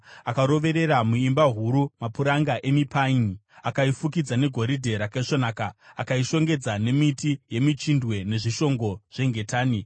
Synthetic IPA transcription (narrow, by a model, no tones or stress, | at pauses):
akaɾo̞ʋe̞ɾe̞ɾamuimbaɦuɾumapuɾaŋɡaʔe̞mipʰain | akaifukid͡zane̞ɡʱo̞ɾidʱe̞ɾakeʂonaːkaakaiʃo̞ŋɡe̞d͡zane̞mitije̞mit͡ʃindwe̞ne̞ʐiʃo̞ŋɡo̞ʐ̥e̞ŋɡʱe̞taːni